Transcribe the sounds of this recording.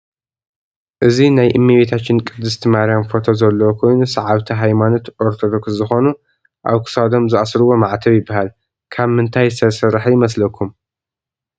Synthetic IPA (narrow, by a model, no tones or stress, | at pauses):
ʔɨzinajʔɨmːiβet̪ʰat͡ʃːɪnkʼɨd̪ːɨst̪ʰimaɾijamfo̞t̪ʰozɐlːɐwkʰo̞jnusɐʕaβt̪ʰiɦajmano̞t̪ʔoɾt̪ʰod̪okszɨxo̞nu | ʔa̰βkʰɨ̥sad̪o̞mzɨʔasɾɨwo̞maʕt̪ʰɐβjɪbːaɦal | kʰaβmɨnt̪ʰajsɐsɐɾħajɪmɐslɐkʰːum